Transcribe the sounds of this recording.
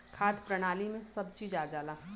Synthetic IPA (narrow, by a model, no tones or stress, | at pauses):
kʰaːt̪ʰpɾɐɽ̃aːlimẽsɐb̚t͡ʃiːd͡ʒaːd͡ʒaːlaː